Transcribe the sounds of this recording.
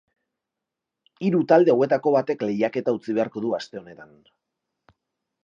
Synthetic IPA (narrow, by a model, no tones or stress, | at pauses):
iɾut̪ald̪e̞awe̞t̪ako̞βat̪e̞kle̞jake̞t̪aut͡siβe̞aɾko̞ðuast̪e̞o̞ne̞t̪an